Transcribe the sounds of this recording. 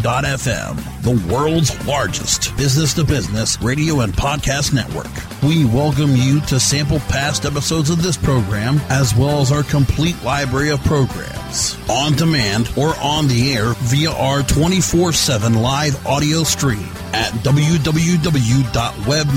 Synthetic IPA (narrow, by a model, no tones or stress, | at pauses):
dɑɾɛfɛ̰̃m | ðəwɜ˞lˠdzlɑɹd͡ʒɨ̰stb̥ɪznɨstɨbɪznɨsɹeɪɾioʊə̃npʰɑd̚kʰæstⁿnɛ̰ʔwɜ̰˞k | wiwɛlˠk̬ɨ̃mjɨɾɨsæ̃mpl̩ˠpʰæstɛpəsoʊdzʌvðɪspʰɹ̥oʊɡɹæ̃mɨzwɛlˠəzaə˞kʰə̃mpʰl̥iʔlaɪbɹɛɹiʌv̥pʰɹ̥oʊɡɹæ̰̃mz̥ə̃ndəmæ̃ndə˞ʔə̃nðiɛɹviəʔɑɹtʰw̥ɛ̃ɾ̃ifɔɹsɛvə̃nlaɪvɑɾioʊstɹ̥ḭ̃m | ɨt̚d̥ʌbl̩ˠjʉdʌbl̩ˠjʉdʌbl̩ˠjʉdɑʔ̚wɛb̚